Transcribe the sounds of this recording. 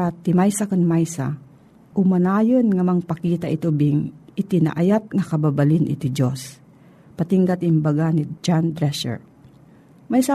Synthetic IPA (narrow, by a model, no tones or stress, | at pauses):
at̪ɪmajsakɐŋmajsa̰ | ʔʊmɐnaːjonŋɐmɐŋpɐkiːt̪aʔɪt̪ubɪŋɪt̪ina̰ʔajat̪̚ŋɐkɐbabɐlɪnʔɪ̰t̪id͡ʒos | pɐt̪iŋɡat̪ɪmbaɡanid͡ʒand̪ɾɛsɛ̰ɹ | majsa